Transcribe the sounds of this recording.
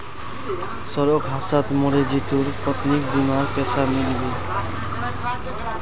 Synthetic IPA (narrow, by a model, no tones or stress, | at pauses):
sɔɾɔkɦasat̪moɾed͡ʑit̪uɾpɔt̪nikbimaɾpɛsamilibe